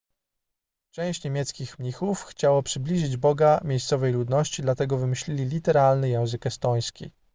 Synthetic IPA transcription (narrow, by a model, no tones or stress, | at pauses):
t͡ʂɛ̃w̃ɕt͡ɕɲemʲjɛt̪skʲixmɲixufxt͡ɕawɔpʂɘblʲiʐɘd͡ʑbɔɡamʲjejst̪sɔvɛjlud̪nɔɕt͡ɕid̪lat̪ɛɡɔvɘmɘɕlʲilʲilʲit̪ɛɾalnɘjɛ̃w̃zɘkɛst̪ɔj̃skʲḭ